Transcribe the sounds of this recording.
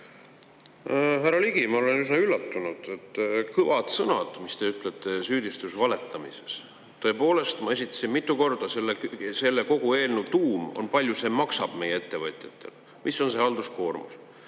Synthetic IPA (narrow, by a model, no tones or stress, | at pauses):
ɦæɾɑliɡ̥imɑo̞lenysnɑylːɑt̪ːunud̪̥et̪ˑːkɤvɑd̪sɤnɑ̰d̪̥mist̪e̞yt̪ːˑlet̪ːˑe̞syːd̪̥ist̪usvɑle̞t̪ːˑɑmḭse̞s | t̪ːɤ̞e̞po̞ːle̞st̪mɑe̞sit̪ːˑɑ̥sinmit̪ːˑuko̞rd̪̥ɑselːese̞lːe̞ko̞ɡ̥ue̞ːlnut̪uːmo̰npɑlʲjuse̞ːmɑksɑb̥me̞jee̞t̪ːe̞vɤt̪ˑjɑt̪ːˑe̞̰l | mʔiso̞nse̞hɑld̪̥usko̞ːrmṵs